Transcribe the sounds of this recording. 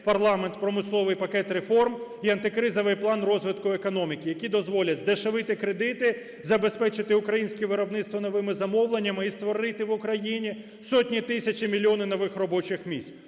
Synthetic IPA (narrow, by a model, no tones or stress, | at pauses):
pɐrlˠɑment̪pɾɔmɪslˠɔʋɪjpɐkɛt̪ɾefɔrm | iɐnt̪ɪkɾɪzɔʋɪjplˠɑnrɔzʋɪt̪kʊekɔnɔmʲikʲɪjɐkʲid̪ɔzʋɔlʲɐzd̪eʃeʋɪt̪ɪkɾed̪ɪt̪ɪ | zɐbe̞spɛt͡ʃɪt̪ɪʊkɾɐjinʲsʲkɛʋɪɾɔbnɪt̪st̪ʋɔnɔʋɪmɪzɐmɔwlˠenʲːɐmɪist̪ʋɔɾɪt̪ɪʋʊkɾɐjinʲi | sɔtʲnʲit̪ɪsʲɐt͡ʃʲimʲilʲːiɔnɪnɔʋɪxrɔbɔt͡ʃɪxmʲisʲt̪ʲ